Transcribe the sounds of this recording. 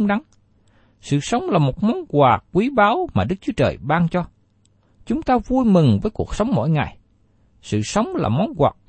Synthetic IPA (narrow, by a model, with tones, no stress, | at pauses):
ŋɗa˨˦n | sɨ̰˧˨sə˨˦wŋ͡mlaː˨˩mo˨˩t̚mɔ˨˦nɣwaː˨˩k̚kwi˨˦ɓaː˨˦wmaː˨˩ɗɨ˦˥k̚t͡ɕu˨˦ət͡ɕə̰ː˨˩jɓaː˧nt͡ɕɔ˧ | t͡ɕʊ˨˦ŋ͡mt̪aː˧vu˧jmɨ˨˩ŋvəː˨˦jku˨˩ək̚sə˨˦wŋ͡mmɔ̰˧˥˨jŋa˨˩j | sɨ̰˧˨sə˨˦wŋ͡mla̰ː˨˩mɔ˨˦nɣwaː˨˩k̚